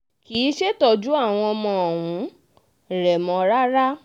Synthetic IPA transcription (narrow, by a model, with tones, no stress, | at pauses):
ki˨˦ʃe˦tɔ˧d͡ʒu˦a˦˨w̃ɔ̃˧mɔ̃˧˦˨wũ˨˦ | ɾɛ˨mɔ̃˨˧ɾa˦ɾa˦